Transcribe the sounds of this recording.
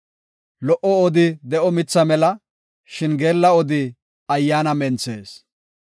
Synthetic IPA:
lɔʔɔɔd̪ɪd̪ɛʔɔmɪt͡sːɐmɛlɐ | ʃɪnɡe̞ːlːɐɔd̪ɪ | ɐjːaːnɐmɛnt͡sḛːs

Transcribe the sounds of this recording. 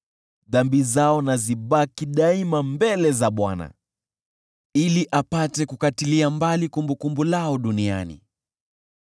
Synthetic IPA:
ðambizaɔnaziɓakiɗaimambɛlɛzaɓwana̰ | iliʔapatɛkukatiliambalikumbukumbulaɔɗunia̰nḭ

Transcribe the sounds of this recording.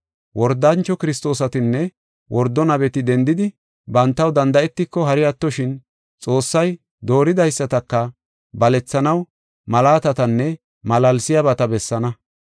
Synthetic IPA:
wʔɔɾd̪ːant͡ʃːɔkɪɾɪst̪o̞ːsɐt̪ɪnːɛ | wʔɔɾd̪ːɔnɐβɛt̪ɪd̪ɛnd̪ɪd̪ɪ | bɐnt̪ːɐwd̪ɐnd̪ɐʔɛt̪ːɪkːɔɦɐɾɪjɐt̪ːɔʃɪn | t͡sʼo̞ːsːɐj | d̪o̞ːɾɪd̪ɐjsːɐt̪ɐkːɐ | bɐlɛt͡sːɐnɐw | mɐlaːt̪ɐt̪ɐnːɛ | mɐlɐlsɪjɐbɐt̪ɐbɛsːɐnɐ

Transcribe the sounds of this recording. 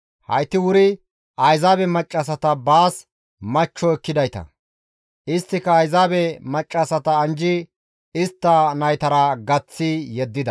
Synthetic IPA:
hɐ̰jt̪ːɪwʊɾɪ | ʔɐjzaːbɛmɐt͡ʃʼːɐsɐt̪ɐbaːs | mɐt͡ʃːɔɛkːɪd̪ɐjt̪ɐ̰ | ʔɪst̪ːɪkːɐːjzaːbɛmɐt͡ʃʼːɐsɐt̪ɐːnd͡ʒɪ | ɪst̪ːɐnɐjt̪ɐɾɐɡɐt͡sːijɛd̪ːɪd̪ɐ

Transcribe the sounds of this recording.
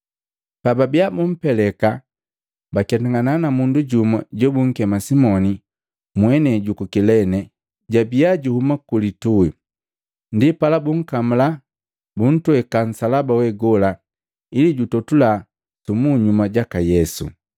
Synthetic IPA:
pababiabum̩pɛlɛka | bakatuŋɡananamunduɟumaɟɔbuŋ̩kɛmasimɔni | mwɛnɛɟukukilɛnɛ | ɟabiaɟuhumakulitui | ndipalabuŋ̩kamula | bun̩twɛkan̩salabawɛɡɔla | iliɟutɔtula | tumuɲumaɟakajɛsṵ

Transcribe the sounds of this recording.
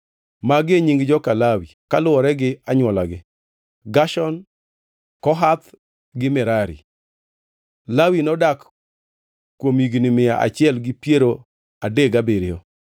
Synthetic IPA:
maɡeɲiŋɡd͡ʒɔkalawikalʊɔɾɛɡɪaɲwɔlaɡɪ | ɡaʃɔn | kɔɦat̪ | ɡɪmɛɾaɾḭ | lawinɔdak | kːwomiɡnɪmɪaʔa̰t͡ʃɪɛlɡɪpjeɾo | adeɡabeɾɪjɔ

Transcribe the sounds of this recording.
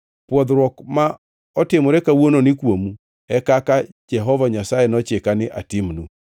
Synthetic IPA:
pwɔðɾwɔkma | ɔtemoɾɛkawonɔnɪkwomu | ɛkakad͡ʒɛɦɔvaɲasaɛnɔt͡ʃekanɪʔa̰timnu

